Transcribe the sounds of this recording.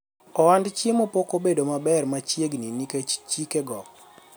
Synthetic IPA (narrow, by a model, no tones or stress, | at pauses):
ɔwandt͡ʃjemopokobedomabɛrmat͡ʃjeɡniniket͡ʃt͡ʃikeɡɔk̚